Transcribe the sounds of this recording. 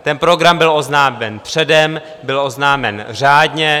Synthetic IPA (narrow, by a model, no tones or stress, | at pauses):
t̪ɛnpɾo̞ɡɾambɪlʔo̞znaːmɛnpr̝̥ɛdɛm | bɪlʔo̞znaːmɛnr̝aːdɲɛ